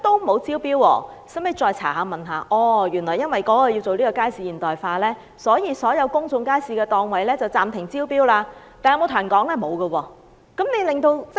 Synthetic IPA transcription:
t̪o˥wmo˨˧wt͡siː˥wpiː˥wwɔ̰ː˧ | sɐ˥me˨˧jt͡ʃɔː˧jt͡sʰa̰ː˨˩ɦaː˨˧mɐ˨˩nɦa̰ː˨˧ʔɔː˧jyː˨˩nlɔː˨˩jɐ˥nwɐ˨jkɔː˨˥ɔ˨˧ji˧wt͡so˨wliː˥kɔː˧kaː˥jsiː˨˧jiː˨˩nt̪ɔː˨jfaː˧lɛː˥ | sɔː˨˥jiː˨˧sɔː˨˥jɐ˨˧wkʊ˥ŋt͡sʊ˧ŋkaː˥jsiː˨˧kɛː˧t̪ɔː˨˧ŋwɐ˨jlɛː˥t͡sɐ˨wt͡saː˨mt̪ʰɪ˨˩ŋt͡siː˥wpiː˥wlaː˧t̪aː˨njɐ˧mo˨˧wt̪ʰːnkɔː˨˥ŋlɛː˥mo˨˧wɡə˧wɔː˧ | kɐ˨˥mne˨˧jlɪ˨ŋt̪o˧wt͡s

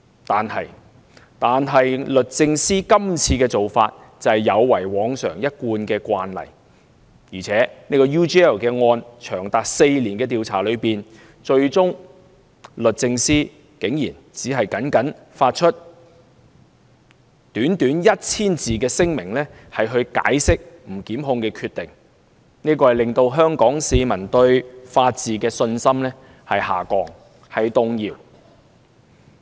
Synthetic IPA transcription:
t̪aː˨nhɐ˨j | t̪aː˨nɦɐ˨jlɵ˨t̚t͡sɪ˧ŋsiː˥kɐ˥mt͡sʰiː˧kɛː˧t͡so˨wfaː˧t̚ | t͡sɐ˨jjɐ˨˧wwɐ˨˩jwɔː˨˧ŋsœː˨˩ŋjɐ˥t̚kuː˧nkɛː˧kʷaː˧nlɐ̰˨˩j | jiː˨˩t͡sʰɛː˨˥ne˥kɔː˧juː˥t͡ʃi˥ɛ˥˨˩lkɛː˧ŋɔː˧nt͡ʃʰœː˨˩ŋt̪aː˨k̚se˧jliː˨˩nkɛː˧t̪iː˨wt͡sʰaː˨˩lɵ˨˧ɥpiː˨˩n | t͡ʃɵ˧ɥt͡sʊ˥ŋ | lɵ˨t̚t͡sɪ˧ŋsiː˥ | ke˨˥ŋjiː˨˩n | t͡siː˨˥ɦɐ˨jkɐ˨˥nkɐ˨˥n | faː˧t̚t͡ʃʰɵ˥t̚ | t̪yː˨˥nt̪yː˨˥njɐ˥t̚t͡sʰiː˥nt͡siː˨kɛː˧sɪ˥ŋmɪ˨˩ŋlɛː˥ | hɐ˨jɦɵ˧ɥka̰ː˨˥jsɪ˥k̚m̩˨˩kiː˨˥mɦʊ˧ŋkɛː˧kʰyː˧t̪ɪ˨˩ŋ | niː˥kɔː˧hɐ˨jlɪ˨ŋt̪o˧wɦœː˥ŋkɔː˨˥ŋsiː˧mɐ˨˩nt̪ɵ˧ɥfaː˧t̚t͡siː˨kɛː˧sɵ˧nsɐ˥mlɛː˥ | hɐ˨jha̰ː˨˩kɔː˧ŋ | hɐ˨jt̪ʊ˧ŋjiː˨˧w

